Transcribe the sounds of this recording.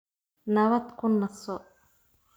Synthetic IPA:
nɐwɐt̪kʊnːɐsɔ

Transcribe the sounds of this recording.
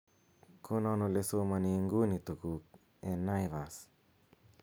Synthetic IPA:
kʰonɔnolesomaniŋɡunit̪uku | enajvas

